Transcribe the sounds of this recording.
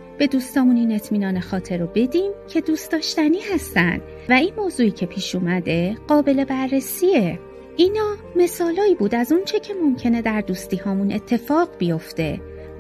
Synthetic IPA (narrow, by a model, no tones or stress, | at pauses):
b̥e̞d̪uːst̪ɒːmuniːne̞t̪ʰmiːnɒːnexɒːt̪ʰe̞ɾobe̞d̪iːmcʰe̞d̪uːst̪ɒːʃt̪æniːhæst̪ænd̪̥ | væinmoːzuːiːcʰe̞pʰiːʃuːmæd̪e̞ɢ̥ɒːbe̞le̞bæɾːesiːe | ʔinɒː | me̞sɒːlɒːiːbuːd̪æzunt͡ʃʰe̞cʰe̞mo̞mcʰe̞ne̞d̪æɾd̪uːst̪iːhɒːmune̞t̪ʰːe̞fɒːɢbijo̞ft̪e̞̰